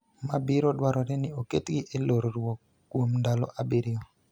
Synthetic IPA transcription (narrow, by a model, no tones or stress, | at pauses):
mabɪɾɔdwaɾɔɾɛnɪoketɡɪʔeloɾoɾwɔ | kwomndalɔ̰ʔabɪɾɪjɔ